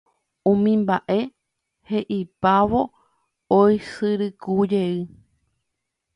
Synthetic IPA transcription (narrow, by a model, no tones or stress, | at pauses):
ũmĩmbaʔe̞ | he̞ʔipaʋo | ojsɨɾɨkud͡ʒeɨ